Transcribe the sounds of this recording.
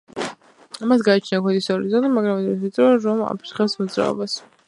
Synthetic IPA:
amasɡaːt͡ʃʰnakʰwɛd̪isɔɾizɔlimaɡɾamɛd̪ɾɛsit̪ʼɾɔɾɔma̰pʰiɾχɛpsmɔd̪zɾa̰ɔ̰bas

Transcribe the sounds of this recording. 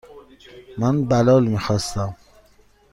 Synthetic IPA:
manbalɔːlmixɔst̪am

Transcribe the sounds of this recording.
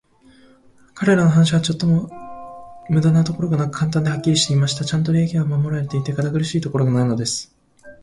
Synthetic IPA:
kaɾe̞ɾano̞ɦanaɕ̬iβ̞at͡ɕo̞t̪ːo̞mo̞ | mɯ̟d̪anat̪o̞ko̞ɾo̞ɡanakɯ̥kʰãnt̪̬ãnd̪e̞hakʲːiɾʲiɕi̥t̪e̞imaɕi̥t̪at͡ɕãnt̪̬o̞ɾʲekʲiɡamamo̞ɾaɾe̞t̪e̞it̪e̞kad̪aɡɯ̟ɾɯ̟ɕiːt̪o̞ko̞ɾo̞ɡanaino̞d̪e̞sɨ̥

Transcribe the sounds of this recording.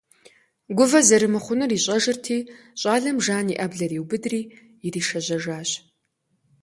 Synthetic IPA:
ɡʷʊvɐzɐɾɨmɨχʷʊnɨriːɕʼɐʒɨrtʰiːɕʼaːɮɐmʒaːniʔɐbɮɐriːwbɨdriː | jɪriːʃɐʑɐʒaːɕ

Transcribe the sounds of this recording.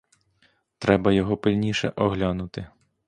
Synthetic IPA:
t̪ɾɛbɐjɔɦɔpɪlʲnʲiʃɛ̰ʔɔɦlʲanʊt̪ɪ

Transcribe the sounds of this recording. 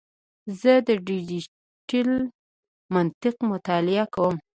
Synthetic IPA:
zəd̪əɖid͡ʒi | ʈil | mant̪ɪqmʊt̪ɑlɪakawəm

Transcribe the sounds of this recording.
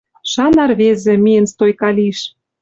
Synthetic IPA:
ʃɑnɑrβezĕmijə̆nst̪ojkɑlʲiʃ

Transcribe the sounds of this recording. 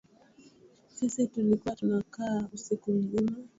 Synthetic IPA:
sisitulikuwatunakausikum̩zima

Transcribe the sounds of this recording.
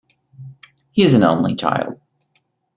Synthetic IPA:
hiɨzɨ̃n̩õ̰ʊ̃nlḭt͡ʃʰa̰ɪlˠd̥̚

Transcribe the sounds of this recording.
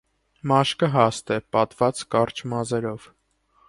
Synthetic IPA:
mɑʃkəɦɑst̪ɛpɑt̪vɑt͡skɑɾt͡ʃʰmɑzɛɾɔv̥

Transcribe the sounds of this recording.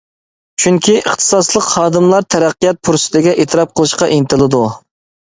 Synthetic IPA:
t͡ʃʰyŋkʲiəχt̪ʰɨ̥sɑslˠəqhɑːd̪ɨmlˠɑɾt̪ʰæɾæqːijɑt̪̚pʰuɾsɪ̥t̪ʰɪɡʲɛʔet̪ʰɨɾɑp̚qʰəlˠɨʃqɑʔint̪ʰɨlˠɨd̪u

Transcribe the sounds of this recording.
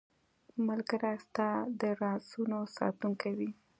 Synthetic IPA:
malkəɾast̪ɑd̪əɾɑsunosɑ̰t̪uŋkawi

